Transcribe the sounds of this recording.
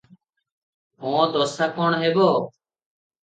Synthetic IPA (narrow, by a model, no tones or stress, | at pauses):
ɦõːt̪oːsaːkoːɳɦeːboː